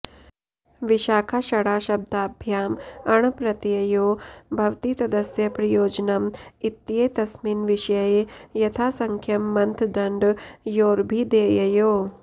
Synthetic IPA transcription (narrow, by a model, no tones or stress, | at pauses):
ʋiʃaːkʰaʃɐɽaːʃɐb̚d̪aːbʱjaːmɐɳ̃pɾɐt̪jɐjoːbʱɐʋt̪iːsɐd̪ɐsjɐpɾɐjoːd͡ʒnɐmit̪ːjeːt̪ɐsmiːnʋiʃjɐjejɐt̪ʰaːsɐŋkʰjɐmːɐnt̪ʰd̪ɐɳɖjoːɾbʱid̪eːjɐjoː